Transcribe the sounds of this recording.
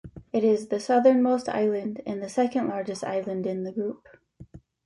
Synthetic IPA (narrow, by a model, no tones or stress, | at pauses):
ɪɾɪzðɨsʌðə˞nmoʊstʰa̰ɪlˠə̃ndɨ̃nðɨsɛkɨ̃nʔlˠɑɹd͡ʒɨsta̰ɪlˠə̃ndɪ̃nðəɡɹʉp̚